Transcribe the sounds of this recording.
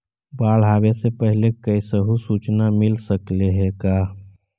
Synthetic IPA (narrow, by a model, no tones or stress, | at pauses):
baːɭɦaːbesepəɦilekəisəɦusut͡ʃnamilsəkleɦeka